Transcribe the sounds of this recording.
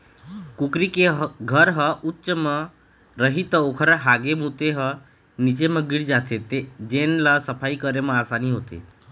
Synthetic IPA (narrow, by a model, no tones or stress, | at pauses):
kukɾikeɦɡʱəɾɦəʔutːʃəmə̃ | ɾəɦit̪əokʰəɾɦaɡemut̪eɦə | nit͡ʃemə̃ɡiɽd͡ʒat̪ʰet̪ed͡ʒenlasəpʰaikəɾemə̃aːsaniɦot̪ḛ